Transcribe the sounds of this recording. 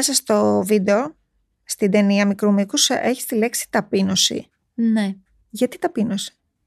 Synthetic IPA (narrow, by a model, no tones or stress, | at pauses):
esɐst̪o̞vid̪eo̞ | st̪id̪e̞niɐmikɾumikusʔe̞çi̥st̪ile̞ksi̥t̪ɐpino̞sḭ | ne | ʝɐt̪it̪ɐpino̞si̥